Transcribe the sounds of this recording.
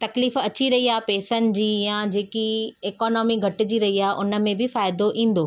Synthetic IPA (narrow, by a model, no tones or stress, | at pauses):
t̪ɐkliːfɐt͡ɕiɾɐɦiaːpɛːsənɪ̆d͡ʑiːjãd͡ʑeːkieːkɔːnɔːmiɡʱɐʈɪ̆d͡ʑiːɾɐɦiaːɦʔʊnə̆mẽbɪfaːɪd̪oʔĩːn̆d̪oː